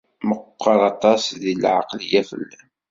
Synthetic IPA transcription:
məqːəɾˤɑt̪ˤɑsðilʕɑ̰qlijæfə̰lːæn

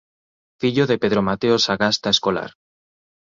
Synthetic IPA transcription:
fiʎoðepeðɾomat̪eosaɣast̪aeskola̰ɾ

